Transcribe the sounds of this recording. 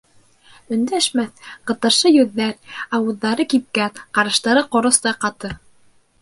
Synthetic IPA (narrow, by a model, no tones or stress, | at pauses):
ɵ̆nd̪æʃmæθqɤ̆t̪ɤ̆ɾʃɤjɵðːæɾɑwɤ̆ðːɑɾɤkip̚kæt̪qɑɾɤ̆ʃt̪ɑɾɤqŏɾŏst̪ɑqɑt̪ɤ